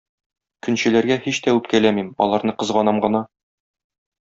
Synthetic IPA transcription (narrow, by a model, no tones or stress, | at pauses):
kɵ̆nɕɘ̆læɾɡæhiɕt̪æʉp̚kælæmimɒ̰lˠɑɾnɤqɤ̆zʁɒnɑmɢɤ̆nɑ